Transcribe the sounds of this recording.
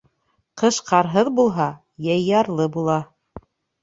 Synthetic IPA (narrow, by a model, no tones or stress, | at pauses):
qɤ̆ʃqɑɾɦɤðbulˠɦɑ | jɑjːɑɾlˠɤbulˠɑ